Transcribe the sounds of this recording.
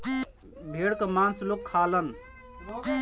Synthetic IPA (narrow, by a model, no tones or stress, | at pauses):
bʱeɽkəmãnslokʰːalən